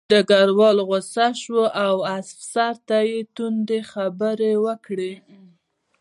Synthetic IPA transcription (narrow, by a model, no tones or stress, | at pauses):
d̪əɡaɾwɑlɣosaʃwoʔawasfsaɾt̪ajet̪und̪exabəɾewəkɽe